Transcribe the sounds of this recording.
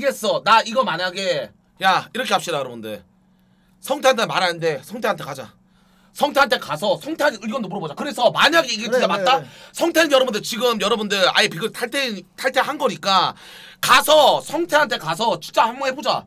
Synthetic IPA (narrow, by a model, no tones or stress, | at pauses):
iɡe̞s͈ʌnaiɡʌmaɲaɡe̞ | jaiɾʌkʰeap̚ɕ͈idajʌɾʌbundḛ | sʰʌŋtʰe̞antʰemaɾanɯnde̞sʰʌŋtʰe̞ɦantʰe̞kad͡ʑa̰ | sʰʌŋtʰeɦantʰe̞kasʰʌsʰʌŋtʰeaɯɭɡʌndomuɾʌbod͡ʑakɯɾe̞sʰʌmaɲaɡeiɡeid͡ʑamat̚t͈asʰʌŋtʰeɯnjʌɾʌbundɯt͡ɕiɡɯmjʌɾʌbundɯɭa̰epiɡɯɭtʰaɭtʰentʰaɭtʰehanɡʌɲik͈a | kasʰʌsʰʌŋtʰeɦantʰe̞kas̬ʰʌt͡ɕi̥k̚t͡ɕ͈ahamʌŋɦebod͡ʑa̰